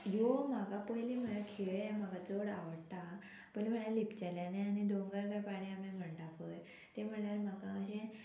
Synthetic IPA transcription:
jomaɡapəjlim̤əɳakʰeɭam̤aɡat͡soɽaʋəɽt̪a | pəjlim̤əɳalipt͡ɕaljaneañid̪oŋɡaɾkajpaɽ̃iamem̤əɳʈapəj | t̪em̤əɳɳaɾmakãəɕẽ

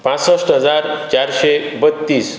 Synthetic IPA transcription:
pãt͡səsʈɦəd͡zaɾt͡ɕaɾɕebət̪ːiːs

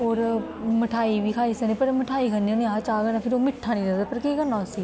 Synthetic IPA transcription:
oːɾməʈʰaːiːʋiːkʰaːiːsəneːpəɾməʈʰaːiːkʰənionẽãːt͡ʃaːɡənãpʰɪɾoːmɪʈʰːãːnĩːɾəd̪aːpəɾkiːkənːaːosiː

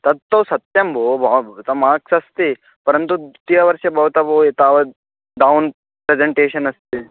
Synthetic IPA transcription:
t̪ɐd̪̚t̪ɐwsɐt̪jɐmbobɐt̪ɐmaːksɐst̪i | pɐɾɐnt̪ut̪ijɐʋɐɾʃɐbʱɐɦut̪ɐbɐet̪aːʋɐ | ɖawn | pɾed͡ʒeɳʈeːʃɐnɐst̪i

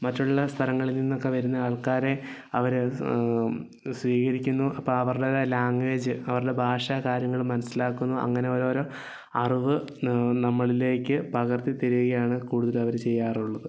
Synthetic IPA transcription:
mɐtːuɭːɐst̪ʰɐɾɐŋːɐɭilninːo̞kːe̞ʋɐɾunːɐɐːɭkaːɾe̞ | ɐʋɐɾ | sʋiːɣɐɾikʲːunːuʔɐpːoːɐʋɐrɨɽelaːŋɡeːd͡ʑɨɐʋɐruɽe̞bʱaːʂakaːɾjɐŋːɐɭmɐnɐsilaːkːunːuʔɐ̰ŋːɐne̞o̞ːɾoːɾo | ɐriʋɨ | nɐmːɐɭile̞ːkʲːɨpɐɣɐrt̪it̪eɾuɣɐjaːɳɨkuːɽuðɐlɐʋɐɾt͡ɕe̞jːaːruɭːɐðɨ

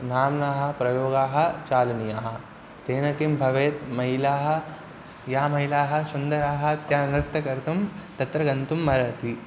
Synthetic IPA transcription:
naːmnaːɦɐ̆pɾɐjoːɡaːɦɐ̆t͡ʃaːlɐnijaːɦɐ̆ | t̪eːnɐkimbʱɐʋeːt̪mɐɦilaːɦɐ̆ | jaːmɐɦilaːɦɐ̆sund̪ɐɾaːɦɐ̆t̪jaːnɾɪt̪ːɐkɐɾt̪umt̪ɐt̪ɾɐɡɐnt̪umːɐɾɐt̪i

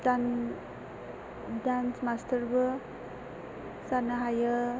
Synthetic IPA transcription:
tan | dansmastʰəɾbɯ | sanaɦajə

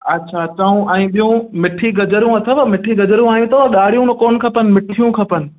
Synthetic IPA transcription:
ɐtːɕʰat͡ɕaːũʔɛ̃ːɓijũmɪʈʰiɡɐd͡ʑəɾũɐt̪ʰəʋɐmɪʈʰiɡɐd͡ʑəɾjũaːjũt̪ɐʋɐɗaːɽ̤ijũnkoːnkʰɐpənɪ̆mɪʈʰijũkʰɐpənɪ̆

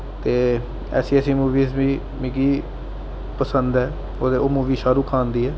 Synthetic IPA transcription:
t̪eː | ɛ̰ːsiːɛːsiːmuːʋiːsʋiː | miːkiː | pəsənd̪ɦɛː | oːd̪eːoːmũːʋiːʃaːɾuːkʰaːnd̪iːɦɛː

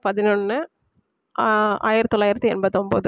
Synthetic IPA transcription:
pɐðɪnuɳːɯ | a̰ːjɪɾɐt̪ːɔlːaːjɪɾɐt̪ːɯɛnbɐðːɯɔmbo̰ːðɯ

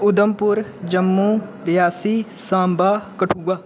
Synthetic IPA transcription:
ʊd̪əmpʊɾd͡ʒəmːuɾɪjaːsisãːmbaːkɐʈʰuːɡaː

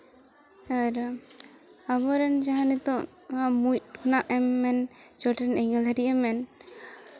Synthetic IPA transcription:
aɾ | aβɔɾɛnd͡ʒaɦanit̪ɔ | amuc̚kʰunaʔɛmːɛnd͡ʒɔʈɛnɛŋɛlaɾiʔɛmɛn

